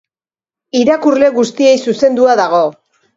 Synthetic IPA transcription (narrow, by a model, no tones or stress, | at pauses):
iɾakurle̞ɣust̪ie̞jsuse̞nd̪uaðaɣ̞o̞